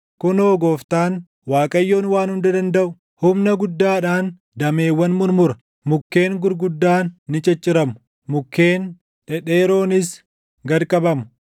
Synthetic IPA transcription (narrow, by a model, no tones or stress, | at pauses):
kʊnoːɡo̞ːft̪aːn | waːkʼɐjːo̞ːnwaːnhʊnd̪ɐd̪ɐnd̪ɐʔʊ̥ | hʊmnɐɡʊd̪ːaːᶑaːn | d̪ɐme̞ːwːɐnmʊɾmʊɾɐ | mʊkːe̞ːŋɡʊɾɡʊd̪ːaːnːɪt͡ʃʼɐt͡ʃʼːɪɾɐmʊ̥ | mʊkːe̞ːn | ᶑɛᶑeːɾo̞ːnɪs | ɡɐɾkʼɐbɐmʊ